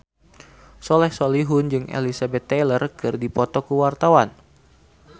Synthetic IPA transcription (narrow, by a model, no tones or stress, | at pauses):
sɔlɛhsoliɦʊnd͡ʒɨŋḛlisabɛt̪ːelərkɨrdipɔt̪ɔkuwart̪awan